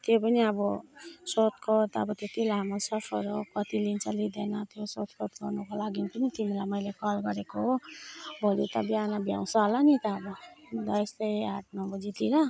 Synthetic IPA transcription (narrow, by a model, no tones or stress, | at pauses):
t̪jopʌniʌbʌsot̪kʰot̪ːbʌt̪ot̪ilaɦamosʌpʰʌɾokʌt̪ilint͡sʰʌlid̪enʌt̪josot̪kot̪ɡʌrnukolaɡipʌnit̪imilajmʌjlekʌlɡʌɾekoɦobʱolit̪ʌbjanʌbʱja̰w̃sʌɦlanit̪ʌːbʌd̪ʌjst̪ʌjaʈ̚nabʌd͡zit̪iɾʌ